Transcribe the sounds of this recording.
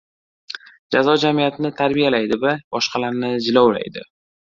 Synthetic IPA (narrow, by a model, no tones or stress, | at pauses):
d͡ʒazɒd͡ʒamijat̪ʰɪnɪt̪ʰaɾbijalajd̪ɪvabɒʃqɑlaɾnɪd͡ʒɪlɒwla̰jd̪ɪ̰